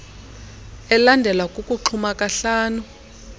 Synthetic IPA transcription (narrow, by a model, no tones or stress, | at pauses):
ɛlandʱɛlwakʼukʼuǃʰumakʼaɬaːnu